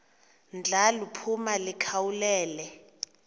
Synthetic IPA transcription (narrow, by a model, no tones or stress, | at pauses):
nd͡ɮʱalupʰumalikʰawulɛːlɛ